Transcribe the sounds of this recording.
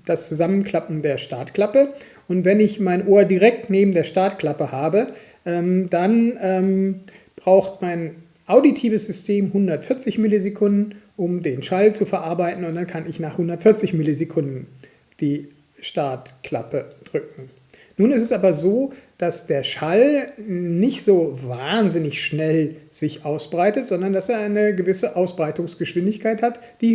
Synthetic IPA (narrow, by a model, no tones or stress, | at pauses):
d̥ast͡suzamənkʰl̥apm̩deːɐʃtaɐtkl̥apə | ʔʊntv̥ɛnɪçmaɪnʔoːɐdiʁɛk̚tneːbm̩deːɐʃtaɐtkl̥apəhaːbə | ʔɛːmd̥anʔɛːm | b̥ʁaʊxtmaɪn | ʔaʊditʰiːvəsz̥ʏstʰeːmhʊndɐtfɪɐt͡sɪçmɪlizekʰʊndn̩ʔʊmdeːnʃalt͡sufɛɐʔaɐbaɪtn̩ʊntd̥ankʰanɪçnaːχhʊndɐtfɪɐt͡sɪçmɪlizekʰʊndn̩ | d̥iː | ʃtaɐtkʰl̥a̰pəd̥ʁʏk̚ŋ̩ | nuːnɛstɛsʔaːbɐzoːd̥asd̥eːɐʃal | nɪçtz̥oːvaːnzɪnɪçʃnɛlz̥ɪçʔaʊsb̥ʁaɪtətz̥ɔndɐndaseːɐʔaɪnəɡəvɪsəʔaʊsb̥ʁaɪtʊŋsɡ̥əʃv̥ɪndɪçkʰaɪthat | d̥iː